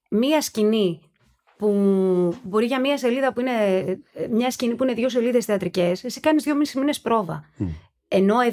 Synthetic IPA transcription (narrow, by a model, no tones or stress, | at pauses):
miɐscini | pu | bo̞ɾiʝɐmiɐs̬e̞liðɐpuine̞ | mɲɐscinipuineðʝo̞se̞liðesθeɐt̪ɾice̞sesikɐnizðʝo̞misizmine̞spɾo̞vɐ̰ | e̞no̞e